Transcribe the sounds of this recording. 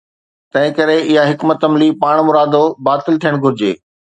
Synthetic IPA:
t̪ɐ̃ɦɪ̃kɐɾeɪɦaɦɪkmɐt̪ɐmlipaːɽ̃mʊɾaːd̪obaːt̪ɪlt̪ʰijəɽ̃ɡʱʊɾɪd͡ʑḛː

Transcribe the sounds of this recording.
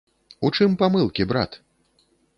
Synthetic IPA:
ut͡ʂɨmpamɨlˠkʲibɾa̰t̪

